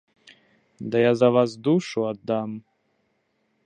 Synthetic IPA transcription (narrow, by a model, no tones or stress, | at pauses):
d̪ajazavazd̪uʃuad̪am